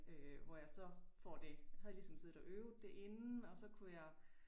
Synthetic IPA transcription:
øʋɒjɑ̈ɪsɒ̽fɒd̥e̝hæð̩ˠlisɒ̽mse̝ðˠɒʔøːʊð̩ˠd̥e̝ʔe̝nnn̩ɒ̽sɒ̽kʰujɑ̈ɪ

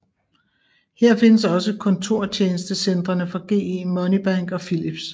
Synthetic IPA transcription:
heɐ̰fe̝nəs̬ɒ̽səkʰɒ̽nt͡sʰo̝ɐ̰t͡ɕʰeːnəsd̥əsend̥ʁɐnəfɒɡ̥e̝̰ːemɒ̽nib̥aŋ̰ɡ̥ɒ̽filib̥s

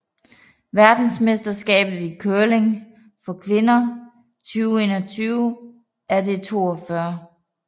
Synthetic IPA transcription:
ʋæɐd̥n̩smesd̥ɐsɡ̥ɛ̰ːb̥ð̩ˠikʰøɐle̝ŋ | fɒ̽kʰʋe̝nɐ | t͡sʰyːʊe̝ːnɐt͡sʰyːʊ | æɐd̥e̝t͡sʰo̝̰ːɒfɶɐ

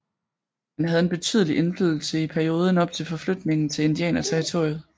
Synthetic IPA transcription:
hænɦæð̞ˠe̝nb̥e̝t͡sʰy̰ð̞ˠəliʔe̝nflyð̰ˠl̩səipʰæɐio̝ːð̞ˠn̩ɒ̽b̥̚t͡sʰe̝lfɒ̽flød̥ne̝ŋn̩t͡sʰe̝e̝nd̥iɛ̰ːnɐt͡sʰeʁit͡sʰo̝̰ɐ̰juð̩ˠ

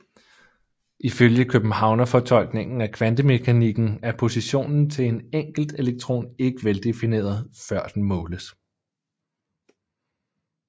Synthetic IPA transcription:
ʔiføljəkʰøb̥m̩hɑ̈ʊnɐfɒ̽t͡sʰɒ̽l̰ɡ̥ne̝ŋ̰n̩ækʰʋænd̥əme̝kʰæniɡ̥n̩æɐpʰo̝siɕo̝̰ːnn̩t͡sʰe̝eneŋ̰ɡ̥l̩d̥e̝leɡ̥̚t͡sʰʁo̝̰ːne̝ɡ̥əʋeld̥e̝fine̝̰ːɐðˠfɶɐ̰d̥enmɔ̽ːləs

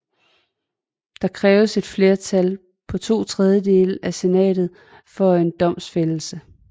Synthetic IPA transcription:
d̥ɑ̈kʰʁɛːʊəse̝d̥fle̝ɐt͡sʰæl | pʰɒ̽t͡sʰo̝̰ːt͡sʰʁɛðˠjəd̥e̝ːləæse̝nɛ̰ːd̥ð̩ˠ | fɒ̽e̝nd̥ɒ̽m̰sfell̩sə

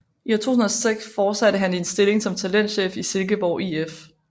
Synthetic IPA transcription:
it͡sʰo̝̰ːhun̩ɐɐseɡ̥sfɒ̥ːsæd̥əɦænensd̥e̝le̝ŋsɒ̽mt͡sʰælen̰d̥ɕḛːfise̝lɡ̥əb̥ɒʊʔief

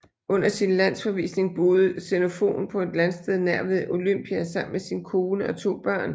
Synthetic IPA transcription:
ʔɔ̽n̰ɐsinlæn̰sfɒ̽ʋḭːsne̝ŋb̥o̝ːð̞ˠəseno̝fo̝̰ːn̩pʰɒ̽e̝d̥lænsd̥eðˠnæɐ̰ʋeð̩ˠʔo̝løm̰b̥iæsɑ̈m̰n̩mesinəkʰo̝ːnəɒ̽t͡sʰo̝̰ːb̥ɶɐ̰n

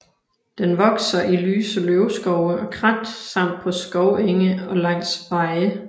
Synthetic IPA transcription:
d̥enʋɒ̽ɡ̥sɐʔily̰ːsəløʊsɡ̥ɒʊəɒ̽kʰʁɑd̥sɑ̈m̰d̥̚pʰɒ̽sɡ̥ɒʊeŋəɒ̽lɑ̈ŋ̰sʋɑ̈ɪə

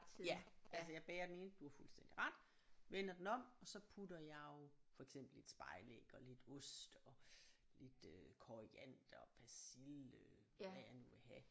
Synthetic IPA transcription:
æʔæls̬əjɑ̈ɪb̥eːɐd̥ene̝nəd̥uæfulsd̥en̰d̥iʁɑ̈d̥ | ʋen̰ɐd̥n̩ɒ̽m̰ɒ̽sɒ̽pʰudɐjɑ̈ofɒ̽eɡ̥sem̰b̥l̩e̝d̥sb̥ɑ̈ɪlḛɡ̥ɒ̽le̝d̥ɔsd̥ɒ̽le̝d̥økʰɒʁiæn̰d̥ɒ̽pʰæsilø | ʋæjɑ̈ɪnuʋe̝ɦɛ

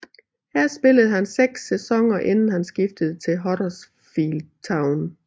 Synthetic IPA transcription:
hæɐ̰sb̥e̝ləð̞̩ˠhænseɡ̥sːesɒ̽ŋɐʔe̝nn̩hænsɡ̥ifd̥əð̞̩ˠt͡sʰe̝lɦɒɾɐs | fiːlt͡sʰɑ̈ʊn

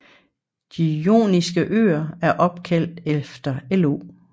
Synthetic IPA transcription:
d̥ijo̝̰ːnisɡ̥əʔø̰ːɐæɐʔɒ̽b̥̚kʰæl̰d̥efd̥ɐelo̝̰ː

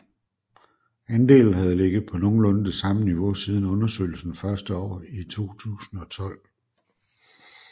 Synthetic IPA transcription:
ænd̥e̝̰ːl̩ɦæð̞̩ˠle̝ɡ̥ð̩ˠpʰɒ̽no̝ːn̩lɔ̽nəd̥e̝sɑ̈məniʋo̝siːð̞ˠn̩ɔ̽nɐsø̰ɪ̰l̩sn̩fɶɐsd̥əɒ̰ːit͡sʰo̝̰ːt͡sʰṵːsn̩ɒ̽t͡sʰɒ̽l̰

